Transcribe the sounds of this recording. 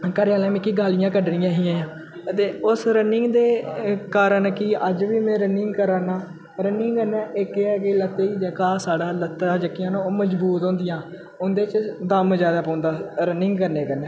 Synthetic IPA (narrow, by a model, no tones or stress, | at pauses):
kəɾaːlɛ̃ːmɛ̃ːkiːɡaːlɪjãːkəɖnɪjãːɦiːãːãː | t̪eːʊsɾənɪŋɡd̪eːkaːɾəɳkɪəd͡ʒʋiːmɛ̃ːɾənɪŋɡkəɾaːnaː | ɾənɪŋɡkənɛ̃ːʔɪkeɛːɡeːlət̪ːeiːd͡ʒəːkaːsaːɽaːlət̪ːaːd͡ʒəkːɪjãːnõməd͡ʒbuːt̪ɦõːnd̪ɪjãː | ʊnd̪eːt͡ʃd̪əmd͡ʒjaːd̪aːpõːnd̪aːɾənɪŋɡkəɾneːkəɾneː